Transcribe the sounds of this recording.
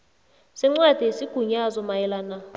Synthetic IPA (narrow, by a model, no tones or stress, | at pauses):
sɪŋ͡ǀwad̥ʱisiɡ̥ʱuɲazɔmajɛlana